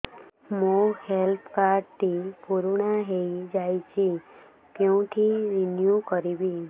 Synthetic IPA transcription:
mũhelpkaɾɖ̚t̪ipuɾuɳaɦejd͡ʒajt͡ʃʰi | kɛũt̪ʰiɾinjukəɾibi

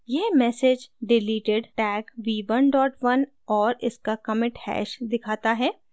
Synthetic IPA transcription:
jeːmɛːsed͡ʒɖɪliːʈɪɖʈɛːkʋiːʋənɖɔːʈʋɐn | ɔːɾɪskakɐmɪ̃ʈhɛ̰ːʃd̪ɪkʰaːt̪aɦɛː

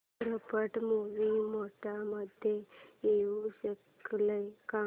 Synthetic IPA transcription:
ɾəpəʈmoʋimoʈaməd̪ʱjeeʋusək | ləjka

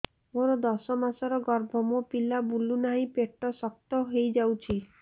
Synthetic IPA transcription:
moɾɔd̪ɔsɔmasɔɾɔɡɔɾbʱɔmopilabulunaɦĩpeʈːɔsɔk̚t̪ɔɦejd͡ʒawt͡ʃʰi

